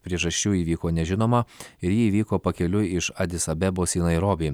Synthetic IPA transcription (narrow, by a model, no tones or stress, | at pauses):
pʲɾʲiɛʒɐʃʲt͡ʃʲuːiːʋʲiːkoːnʲɛʒʲɪnoːmɐɪɾjiːʋʲiːkoːpɐkʲɛlʲʊɪʃɐd̪ʲɪsɐbʲɛboːsʲiːnɐɪɾoːbʲiː